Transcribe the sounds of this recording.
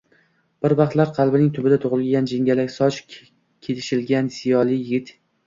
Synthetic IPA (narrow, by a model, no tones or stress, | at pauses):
b̥ɪɾvɑqt̪laɾqʰɑlˠbɪnɪŋt̪ʰʊbɪd̪at̪ʰʊʁɨlɡʲand͡ʒɪŋɡʲalakʲsɒt͡ʃ | kʲʰelʰɪʃɪlɡʲanz̥ɪjɒlˠɪjɪɡʲɪt̪